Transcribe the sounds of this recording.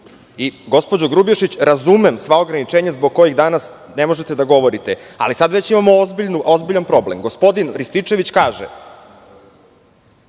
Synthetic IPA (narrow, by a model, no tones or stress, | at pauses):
iɡo̞spo̞d͡ʑoɡɾubjeʃit͡ɕɾazumemsʋao̞ɡɾanit͡ʂeːɲazbo̞ɡ̚ko̞jiɣd̪aːnas | nemo̞ʒe̞t̪e̞d̪aɡo̞ʋo̞ɾit̪ea̰lisad̪ʋet͡ɕimamoozbiʎnuʔozbiʎanpɾo̞blḛmɡo̞spo̞d̪inɾist̪it͡ʂe̞ʋit͡ɕkaːʒḛ